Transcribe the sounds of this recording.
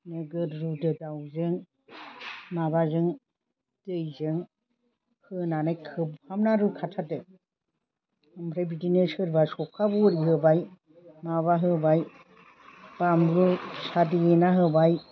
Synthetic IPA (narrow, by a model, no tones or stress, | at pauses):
nɯɡɯɾɾudɯdawzɯŋ | mabazɯŋ | d̥ɯjzɯŋ | hɯnanajkʰɯbhamnaɾukʰatʰatɯ | ɯmɾebidinɯshɯɾbasɔkʰabuɾiɦɯbaj | maβaɦɯbaj | bamɾusadienaɦɯbaj